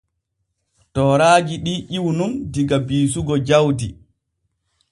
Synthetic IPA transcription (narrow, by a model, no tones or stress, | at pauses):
tɔːɾaːɡiɗiʔiwnundiɡabiːs̬uɡɔd͡ʒawdi